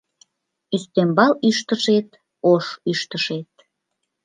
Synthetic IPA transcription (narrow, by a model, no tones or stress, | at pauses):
yst̪embɑlyʃt̪əʃet̪̚ | oʃyʃt̪əʃet̪̚